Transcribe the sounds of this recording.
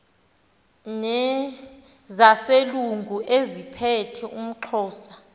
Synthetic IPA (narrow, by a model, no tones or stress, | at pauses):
nɛ | zaseluŋɡʱuʔezipʰɛtʰɛʔum̩ǃʰɔːsḁ